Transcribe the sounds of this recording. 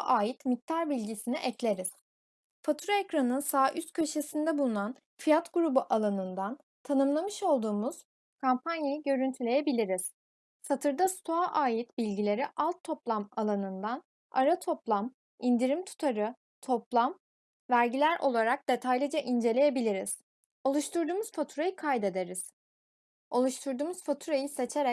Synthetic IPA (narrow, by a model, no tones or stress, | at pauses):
ʔaːjit̪mic̚t̪ʰaɾbilʲɟisiniʔɛclʲeɾiz̥ | fat̪ʰɾoecɾanɯnsaːʔyst̪̚cʰøʃe̞sind̪ɛbulˠunan | fijat̪ɡuɾubuʔalˠanɯnd̪an | t̪ʰanɯmlˠamɯʃo̞lˠd̪uːmuz̥ | kʰampanjejiɟø̞ɾynt̪ʰylʲe̞jebilʲiɾiz̥ | sat̪ʰɯɾd̪ast̪ʰoaʔaːjit̪bilʲɟilʲe̞ɾiʔalˠt̪ʰːo̞plˠamalˠanɯnd̪an | a̰ɾat̪ʰo̞plˠam | ind̪iɾimt̪ʰu̥t̪ʰaɾɯ | t̪ʰo̞plˠam | væɾɟilʲæɾʔo̞̰lˠaɾak̚d̪̥e̞t̪ʰajlʲid͡ʒaʔind͡ʒe̞lʲe̞je̞bilʲiɾiz̥ | o̞lˠuʃt̪uɾd̪uːmuz̥fat̪ʰuɾajɯkʰajd̪e̞d̪e̞ɾiz̥ | o̞lˠuʃt̪ʰuɾd̪uːmuzfat̪ʰuɾajise̞t͡ʃʰe̞ɾɛ